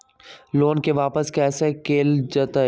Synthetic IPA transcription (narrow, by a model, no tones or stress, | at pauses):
loːnkeʋaːpəskɛːsekeːld͡ʒət̪a